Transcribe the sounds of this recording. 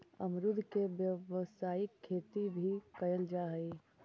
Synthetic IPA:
ɐ̰mɾʊd̪ʱkeʋjəʋsaːɪkʰːeːt̪ibʱikɐjəld͡ʒaːɦiː

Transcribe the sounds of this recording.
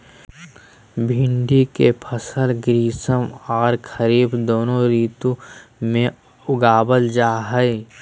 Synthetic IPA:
bʱɪ̃ɳɖikepʰəsəlɡɾiːsəmɔːɾkʰəɾiːbd̪oːnõɾiːt̪ũmẽ | ʊɡaːbəld͡ʒaːɦə

